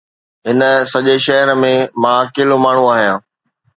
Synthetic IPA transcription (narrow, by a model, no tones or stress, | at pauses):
ɦɪnə̆sɐʄeʃɐɦəɾmẽmãkeːlomaːɳ̤ũaːɦijãː